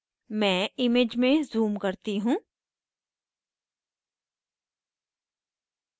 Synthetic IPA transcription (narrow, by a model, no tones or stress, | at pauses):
mɛ̃ːɪmeːd͡ʒmẽzuːmkɐɾt̪iɦũː